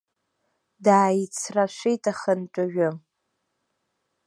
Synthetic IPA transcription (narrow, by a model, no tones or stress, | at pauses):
daːjit͡sʰraʃʷejtʰʼaχənʈ͡ʂʷʼaʒᶣʊ